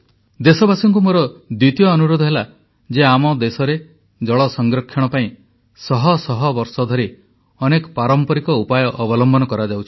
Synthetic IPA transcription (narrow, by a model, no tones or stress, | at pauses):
d̪esɔbasɔŋkumoɾɔd̪wit̪ijɔːnuɾod̪ʱɔɦela | d͡ʒeamɔd̪esɔɾe | d͡ʒɔɭɔsɔŋɡɾɔkʰːjɔɽ̃ɔpaĩ | sɔɦɔsɔɦɔbɔɾsɔd̪ʱɔɾi | ɔnekɔ̥paɾɔmpɔɾikɔupajɔʔːbɔlɔmbɔnɔkɔɾad͡ʒawt͡ʃʰi̥